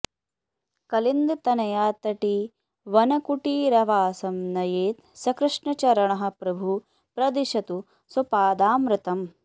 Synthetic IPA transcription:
kɐlind̪t̪ɐnɐjaːt̪ɐʈi | ʋɐnɐkuʈiɾɐʋaːsɐmnɐjeːt̪sɐkɾɨʂɳɐt͡ʃɐɾɐɳɐɦɐ̆pɾɐbʱu | pɾɐd̪iʃɐt̪u | sɐpaːd̪aːmɾɪt̪ɐm

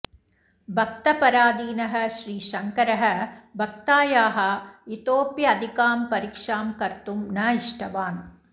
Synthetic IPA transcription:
bʱɐk̚t̪ɐpɐɾaːd̪iːnɐɦɐ̆ʃɾiːʃɐŋkɐɾɐɦɐ̆bʱɐk̚t̪aːjaːɦɐ̆it̪oːpjɐːd̪ʱikaːmpɐɾikʂaːmkɐɾt̪umnaːiʂʈʰɐʋaːn

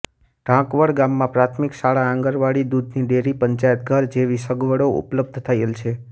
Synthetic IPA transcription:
ɖ̥ʱãkʋəɽɡamːãpɾat̪ʰmiksaɭaãŋɡəɾʋaɽid̪ud̪ʱniɖeɾipəɲt͡ʃajət̪̚ɡʱəɾd͡ʒeʋisəɡʋəɽoṵpləb̚d̪ʱt̪ʰəjelt͡ʃʰe

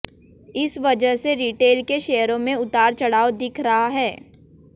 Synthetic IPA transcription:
ɪsʋɐd͡ʒəɦseɾiːʈeːlkeʃɛːəɾõmẽʊt̪aːɾt͡ʃɐɽaːod̪ɪkʰɾɐɦaɦɛː

